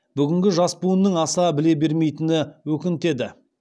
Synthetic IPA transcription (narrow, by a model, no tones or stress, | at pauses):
b̥ʏɡʲɪŋɡʲɪʒɑspuənːəɴɑsɑbɪle̞be̞ɾme̞jt̪ɪnɪwɵkʲɪnt̪e̞d̪ɪ